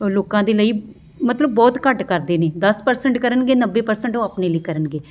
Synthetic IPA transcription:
loːkãːd̪eːləiː | mət̪ləbːɔːt̪kəʈkəɾd̪eːneːd̪əspəɾsəɳʈkəɾənɡeːnəbːeːpəɾsəɳʈõːaːpneːləiːkəɾənɡeː

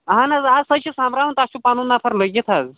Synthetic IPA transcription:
ɦãnad͡zad͡zsəɕisãmbɾaʋunt̪aɕupanunapʰaɾləɡit̪ʰad͡z

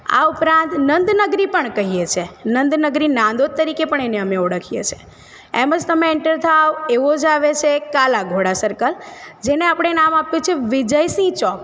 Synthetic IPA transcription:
a̰upɾãnt̪nənd̪nəɡɾipəɳkəɦijet͡ʃʰenənd̪nəɡɾinãd̪ot̪ːəɾikepəɳ̃eneəmeoɽəkʰijḛt͡ʃʰe̥ | eməd͡ʒt̪əmeɛɳʈəɾt̪ʰaʋoeʋod͡ʒaʋet͡ʃʰekalaɡʱoɽasəɾkəld͡ʒeneapɽ̃enamapjut͡ʃʰeʋɪd͡ʒəjsĩt͡ʃɔk

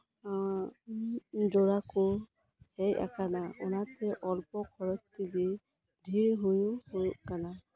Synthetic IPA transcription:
zɔɹakʊ | heja̰kanaɔ̰natɛʔɔlpɔkʰɔɹɔtːili | dʱiɹɦujʊhojkana

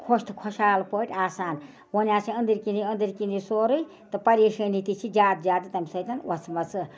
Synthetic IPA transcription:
kʰoʃt̪ʰkʰɔʃaːlpoʈʲaːsaːn | wonjaːt͡sʰiɐnd̪iɾkiniɐnd̪iɾkinisoːɾɨj | t̪ɨpɐɾiʂɐnit̪it͡sʰid͡ʒʲaːd̪̚d͡ʒʲaːd̪ɨt̪ɐmʲsɐjt̪ɐnwʔɐt͡sʰmɐt͡sʰɨ

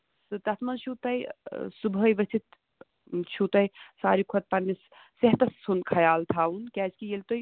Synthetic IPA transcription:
sɨt̪ɐt̪ʰmɐnt͡ʃʰuːt̪ɐjsubʱəjʋɐst̪it̪ | t͡ʃʰut̪ɐjsaːɾikʰot̪̚pɐnːis | seɦt̪ɐssunkʰɐjaːlt̪ʰaːunkɛːt͡ʃkijelt̪oj

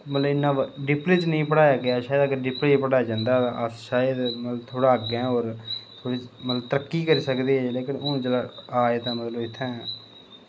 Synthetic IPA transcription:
mət̪ləbɪnːãːɖɪpɾeːt͡ʃnəĩːpəɽaːjaːɡɪaːʃaːd̪akeɖɪpɾeːpəɽaːjd͡ʒãːnd̪aːt̪aʔəsʃaːjəd̪mət̪ləbt̪ʰoːɽaːɡɛ̃ːoːɾt̪ʰoːɽiːmət̪ləb̚t̪əɾəkːiːkəɾiːsəkd̪eːɦɛːleːkɪnoːd͡ʒəlaaːeːt̪ãːmət̪ləbɪt̪ʰːẽː

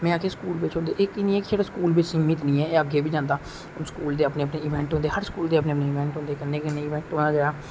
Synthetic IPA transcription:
mɛ̃ːaːkʰeːskuːlʋɪt͡ʃɦõnd̪eːʔeːkɪnĩːɛːkd͡ʒaːɽaːskuːlbɪt͡ʃsɪŋit̪nĩːɛːeːəɡeːbʱiːd͡ʒãːnd̪aː | səkuːld̪eːəpneːəpneːɪʋɛ̃ːɳʈɦõnd̪eːhəɾskuːld̪eːəpneːəpneːɪʋɛ̃ːɳʈɦõnd̪eːkənːeːkənːeːɪʋɛ̃ːɳʈɦoːnaːd͡ʒaːɡaː

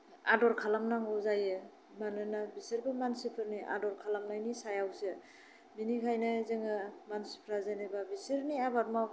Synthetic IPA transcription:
adɔɾkʰalamnaŋɔzajɯ | manɯnabisɯɾbɯmansipʰɯɾniʔa̰dɔɾkʰalamnajnisajawsɯ | minikʰajnɯzɯŋɯmansi̥pʰɾazenebabisɯɾniabaɾma

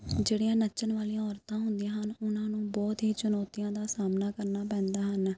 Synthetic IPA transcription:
d͡ʒeːɽɪjãːnət͡ʃənʋaːliãːɔːɾt̪ãːɦʊnd̪ijãːɦənʊnãːnũːbɔːt̪ɦiːt͡ʃʊnɔːt̪ijãːd̪aːsaːmnaːkəɾnaːpɛ̃ːnd̪aːɦən

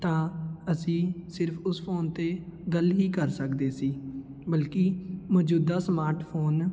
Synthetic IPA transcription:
t̪ãːəsĩːsɪɾpʰʊspʰoːnt̪eːɡəlɦiːkəɾsəkd̪eːsiː | bəlkiːmɔːd͡ʒuːd̪aːsmaːɾʈpʰoːn

